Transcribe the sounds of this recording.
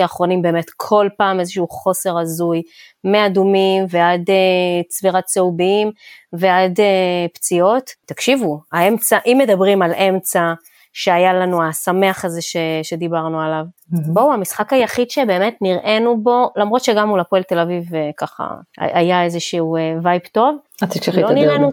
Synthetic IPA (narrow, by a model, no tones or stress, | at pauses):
aχʁo̞nimbe̞ːme̞tkʰo̞lpaːme̞zeʃuχo̞se̞ʁazujmeadumimve̞ad̪et͡sviʁatt͡seubiimve̞adept͡sio̞ttːakʃivuaemt͡saʔimːe̞dabʁimalʔe̞mt͡sa | ʃe̞ajalanuasame̞aχaze̞ʃeʃe̞d̪ibaʁnualav | bo̞uamisχakajaχid̪ʃe̞be̞ːme̞tniʁʔe̞nubo̞lamʁo̞t̪ʃeɡamulapoelt̪e̞lavivkaχa̰a̰ʔa̰jaezeʃiuvajpto̞vat̪ikʃilloniʁenu